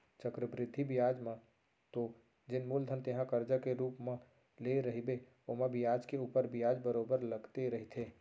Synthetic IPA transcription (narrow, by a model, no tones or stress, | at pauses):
t͡ʃəkɾəbɾɪd̪ʱːibɪjaːd͡ʒmã | t̪o | d͡ʒɪnmuːld̪ʱənt̪eɦãkəɾd͡ʒəkeɾuːpmã | leɾɐɦibe | omẽbɪjaːd͡ʒkeuːpəɾbɪjaːd͡ʒbəɾoːbəɾləɡt̪eɾɐɦit̪ʰeː